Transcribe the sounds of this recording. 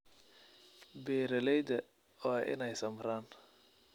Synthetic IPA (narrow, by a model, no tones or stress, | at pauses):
bɛːɾɐlɛjd̪ɐ | ɔːʔɪ̰nɛjsɐmɾaːn